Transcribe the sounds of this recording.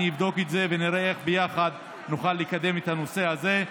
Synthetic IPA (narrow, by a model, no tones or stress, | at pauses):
ivd̪o̞ket̪ze̞veniɾeeχbejaχad̪ | nuχalːikad̪e̞met̪hano̞se̞haze̞